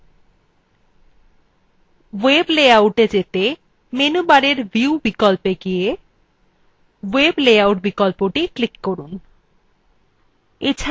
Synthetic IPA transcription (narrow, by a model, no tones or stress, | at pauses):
webleauʈed͡ʑet̪e | menubaɾeɾbiubikolpeɡije | webleawʈbikolpoʈiklikːoɾun | et͡ɕʰ